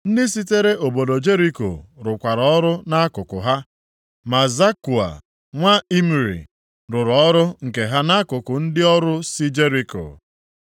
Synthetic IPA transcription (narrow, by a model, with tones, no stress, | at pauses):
n̩˦dɪ˦s̬i˦te˦ɾe˦ʔo˨bo˨do˨d͡ʒe˦ɾi˦ko̰˨ɾʊ˨kʷa˨ɾɔ˨ɔ˦ɾʊ˦na˦kʊ˨kʊ̰˨ɦa˦ | ma˨za˦ku˨a̰˨ | ŋʷa˦i˦m˨ɾḭ˨ | ɾʊ˨ɾɔ˦ɾʊ˦ŋ̩˨ke˨ɦa˦na˦kʊ˨kʊ˨n̩˦dɪ˦ɔ˦ɾʊ˦si˦d͡ʒe˦ɾi˦ko̰˨